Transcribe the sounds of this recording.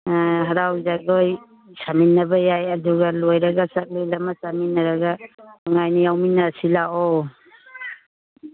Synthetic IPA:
ɦɐɾawd͡ʒaɡoj | saminːɐbajajɐduɡalojɾaɡasak̚lijlamasaminːɐɾaɡaɔŋajnijawminːasilaʔɔ

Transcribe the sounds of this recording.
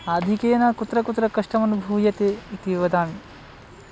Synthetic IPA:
ad̪ʱikeːnɐkut̪ɾɐkut̪ɾɐkɐʂʈɐmɐnubʱuːjɐt̪eit̪iʋɐd̪aːn

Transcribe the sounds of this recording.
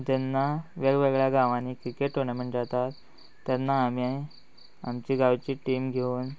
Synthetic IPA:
d͡ʑɛnːaʋeɡʋɛɡɭjaɡãʋaniːkɾikeʈɦoɾɳameɳʈd͡zat̪at̪ː | ɛnːaːmiai | amt͡ɕiːɡaʋt͡ɕiːʈimɡʱeuːn

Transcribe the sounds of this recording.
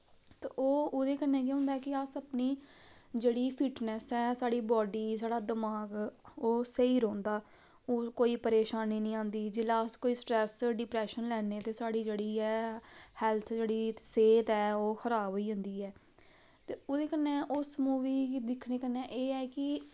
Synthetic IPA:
t̪ḛʔoːoːd̪eːkənːɛ̃ːk̬jɛ̃ːɦʊ̃ːnd̪aɛːkɪəsəpniː | d͡ʒeːɽiːpʰɪʈnɛsɛːsaːɽiːbɔːɖiːsaːɽaːd̪əmaːɡoːsəiːɾõːnd̪aː | oːkoːiːpəɾeːʃaːniːnəĩːãːnd̪iːd͡ʒɪlaːskoːiːsʈɾɛːsɖɪpɾɛːʃənlɛːneːt̪eːsaːɽiːd͡ʒeːɽiːɛːhɛːlt̪ʰd͡ʒeːɽiːseːt̪ɛːoːxʰəɾaːboiːɦõnd̪iːɛː | t̪eːoːd̪eːkənːẽːʔʊsmuːʋiːd̪ɪkʰneːkənːɛːʔeːɛːkɪ

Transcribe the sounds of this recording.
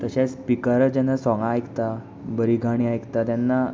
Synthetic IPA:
t̪əɕaspikəɾd͡ʑanːasɔ̃ŋɡãːjkt̪a | bəɾiɡʱaɽ̃iajkt̪at̪janːa

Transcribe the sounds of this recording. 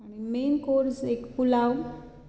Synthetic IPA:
aɽ̃imenkoɾsekpulaw

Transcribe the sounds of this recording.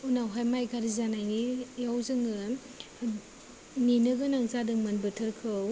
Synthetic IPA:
unawɦajmajɡaɾizanajŋijawzɯŋɯ | ninɯɡɯnaŋzadɯŋmɐnbɯtʰɯɾkʰɯw

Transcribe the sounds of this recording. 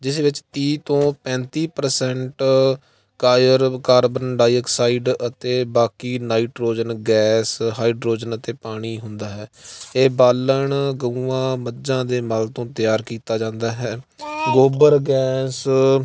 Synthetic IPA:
d͡ʒɪsʋɪt͡ʃt̪iːt̪õːpɛ̃ːnt̪iːpəɾsɛɳʈ | kaːjəɾkaːɾbənɖaːjəksaːiɖət̪eːbaːkiːnaːiːʈɾoːd͡ʒənɡɛːsɦaːiɖɾoːd͡ʒənət̪eːpaːɽ̃iːɦʊnd̪aːɦɛːeːbaːləɳɡəuʋãːməd͡ʒãːd̪eːmalt̪õːt̪ɪjaːɾkiːt̪aːd͡ʒãːnd̪aːɦɛːɡoːbəɾɡɛːs

